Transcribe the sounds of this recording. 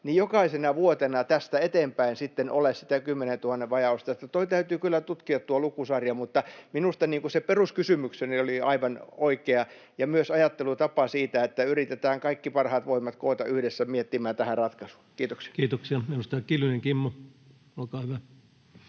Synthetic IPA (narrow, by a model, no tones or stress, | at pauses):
nijjokɑisenɑʋuot̪enɑt̪æst̪æet̪empæinsit̪ːenʔolessit̪ækymːenent̪uhɑnːeʋʋɑjɑust̪ɑet̪ːæt̪oit̪æyt̪yːkylːæt̪ut̪kiɑt̪t̪ːuolukusɑrjɑmut̪ːɑminust̪ɑniːŋkuseperuskysymyksenioliɑiʋɑnoikeɑ | jɑmyøsɑjɑt̪ːelut̪ɑpɑsiːt̪æet̪ːæyrit̪et̪æːŋkɑikːipɑrhɑːt̪ʋoimːˑɑt̪koːt̪ɑ̰yhdesːæmiet̪ːimæːt̪æhærɑt̪kɑsu̥ːkiːt̪oksi̥ɑ̥kiːt̪oksiɑminust̪ɑkilyneŋkimːo | olkɑːhyʋæ